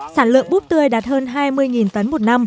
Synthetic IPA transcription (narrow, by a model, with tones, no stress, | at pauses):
saː˧˩nlɨ̰˧˨əŋɓu˦˥p̚t̪ɨ˧əjɗaː˨˩t̚həː˧nɦaː˧jmɨ˧əjŋi˨˩nt̪ə˨˦nmo˨˩t̚na˧m